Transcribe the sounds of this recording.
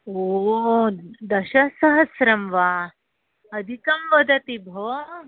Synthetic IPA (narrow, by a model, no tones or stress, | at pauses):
o | d̪ɐɕɐsɐɦɐsɾɐmʋa | ɐd̪ʱikɐmʋɐd̪ʱɐt̪ibʱo